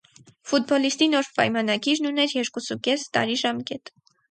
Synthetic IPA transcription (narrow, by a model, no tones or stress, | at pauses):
fut̪̚bɔlist̪inɔɾpɑ̰jmɑnɑɡiɾnunɛɾjɛɾkusukɛst̪ɑ̰ɾiʒɑmkɛt̪